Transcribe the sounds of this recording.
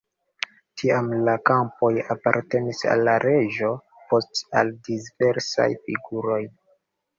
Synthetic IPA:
tʰiamlakampo̞japaɾte̞nisa̰lːaɾe̞d͡ʒo̞ | po̞sta̰ldisve̞ɾsa̰jfiɡuɾo̞j

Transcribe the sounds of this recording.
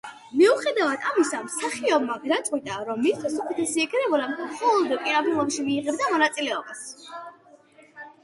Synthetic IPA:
miuχɛd̪avad̪ʰamisamsaχiɔbmaɡɾat̪sʼqʼwit̪ʼaɾɔmːist̪ʰsɔkʰɛt̪ʰɛsiɛkɾɛbulamχɔlˠɔd̪ɔkʼiɾabilˠɔpʃimiːʁɛb̚d̪amɔnat̪sʼilɛɔbas

